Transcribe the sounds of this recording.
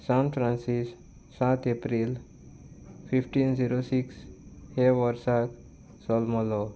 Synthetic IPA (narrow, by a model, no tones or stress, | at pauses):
sãnfʰɾãnsisː | at̪ʰepɾil | fʰifʈinziɾosiksheʋəɾsat̪ | sɔlmɔlo